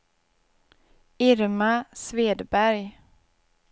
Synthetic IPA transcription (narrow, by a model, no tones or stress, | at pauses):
ɪɾmasveːd̪bæɾj